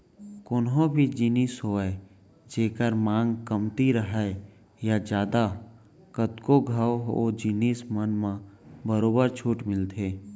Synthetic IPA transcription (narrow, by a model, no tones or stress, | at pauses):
kʊːnɦõbʱid͡ʒiniːsɦoːɛ | d͡ʒeːkəɾmãːŋɡkəmt̪iɾəɦɛ | jad͡ʒjaːd̪a | kət̪koɡʱəwɦod͡ʒiniːsmənmãbəɾoːbəɾt͡ʃʰuːʈmɪlt̪ʰeː